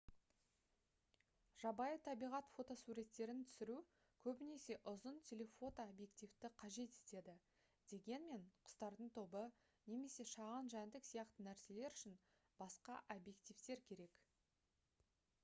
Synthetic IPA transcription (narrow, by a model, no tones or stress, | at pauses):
ʒ̥ɑbɑjət̪ʰɑbijʁɑt̪fo̞t̪o̞suɾe̞t̪ːe̞ɾɪnt̪ʰʏ̥sɪɾu | kʲʰɵbɪne̞se̞ʔʊzənt̪ʲʰele̞fo̞t̪oabje̞kt̪ift̪ɪqʰɑʒe̞t̪e̥t̪e̞d̪ɪ | d̪̥e̞ɡʲe̞nme̞ɴqʰʊ̥st̪ɑɾd̪əɴt̪ʰo̞bə | ne̞me̞se̞ʃɑʁɑnʒænd̪ɪksijɑqt̪ənæɾse̞le̞ɾʏʃɪn | bɑsqɑʔobje̞k̚t̪ijft̪e̞ɾkʲʰe̞ɾe̞k